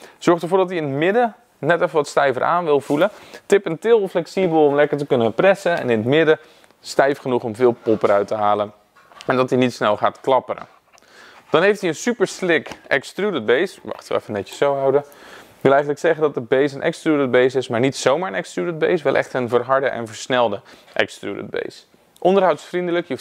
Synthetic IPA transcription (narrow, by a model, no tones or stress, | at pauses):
z̥ɔɹχdəɹvoːɹdɑtiɪnətmɪdə | nɛtɛfənʋɑtstɛjvərʔa̰ːnʋɪlˠvulətɪpəntɪlˠflɛksibəlˠɔmlɛkəɹtəkɵnəprɛsənɛ̰nɪnətmɪdə | stɛjfχənuχɔmvɪːlˠpɔpəɾœɥtəɦaːlən | ɛndɑtinitsnɛlˠχa̰ːtklɑpəɾə̰ | d̥ɑnɦejftiənsypəɹslɪkɛ̰kstrydəd̚bejsʋɑ̰χtʋə̰ɛ̰fənɛcə̥sowɦawdə | ʋɪlˠɛjχənləksɛχəndɑtəd̚bejs̬ənʔɛ̰kstrydəd̚bejsɪsmaːɹnitsowmaːɹənɛkstrydəd̚bejsʋɛlˠʔɛ̰χtənvəɹɦɑɹdəʔɛ̰nvəɹsnɛlˠdə | ʔɛ̰kstry̰də̰d̚bḛjs | ʔɔndəɹɦɑwtsfrindələkjuf